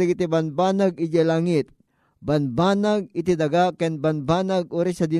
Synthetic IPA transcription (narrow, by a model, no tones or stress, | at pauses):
ɐɡit̪ibɐnbaːnaɡɪd͡ʒɛlaːŋɪt̪̚ | bɐnbaːnaɡ̚ɪt̪id̪ɐɡakɛnbɐnbaːnaɡ̚ʔoːɾɛsɐd̪ɪ